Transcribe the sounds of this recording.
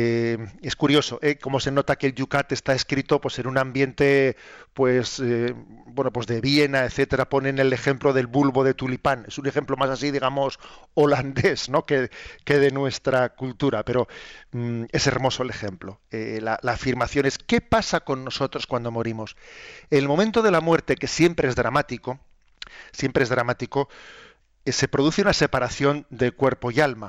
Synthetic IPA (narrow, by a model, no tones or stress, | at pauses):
ee̞skuɾjo̞so̞ʔeko̞mo̞se̞no̞t̪akelʎukat̪est̪aeskɾit̪o̞pwe̞se̞nunãmbje̞nt̪e̞pwe̞s | bwe̞no̞pwo̞zðe̞βje̞naeθe̞t̪e̞ɾapo̞ne̞ne̞le̞xe̞mplo̞ðe̞lβulβo̞ð̞e̞t̪ulipane̞sunexe̞mplo̞masasiðiɣ̞amo̞so̞land̪e̞sno̞keke̞ðe̞nwe̞st̪ɾakult̪uɾape̞ɾo̞ | e̞se̞̰ɾmo̞so̞ele̞xe̞mplo̞elalaːfiɾmaθjo̞ne̞ske̞pasako̞nːo̞so̞t̪ɾo̞skwand̪o̞mo̞ɾimo̞senelmo̞mẽnt̪o̞ðe̞lamwe̞ɾt̪e̞ke̞sje̞mpɾe̞ezðɾamat̪iko̞ | sje̞mpɾeezðɾamat̪iko̞ | ese̞pɾo̞ð̞uθe̞unase̞paɾaθjo̞nd̪e̞kwe̞ɾpo̞ialma